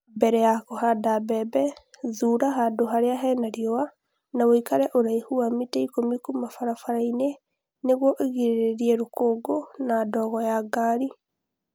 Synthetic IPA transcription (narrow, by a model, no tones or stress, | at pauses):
bɛɾɛjakohadabɛbɛðuɾaɦadoɦaɾeaɦɛnaɾiɔwa | nawoikaɾɛʔoɾaihuamitɛikomikumafaɾafaɾaine | neɣwɔʔeɣiɾeɾeɾiɛɾokoɡonadɔɣɔjaɡaɾi